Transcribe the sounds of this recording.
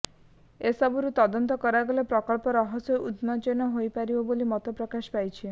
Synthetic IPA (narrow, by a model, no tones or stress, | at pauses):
esɔbuɾut̪ɔd̪ɔnt̪ɔkɔɾaɡolepɾɔkɔɭpɔɾɔɦɔsɔʔud̪nɔt͡ʃɔnɔɦojpaɾibɔbolimɔt̪ɔpɾɔkaʃpajt͡ʃʰi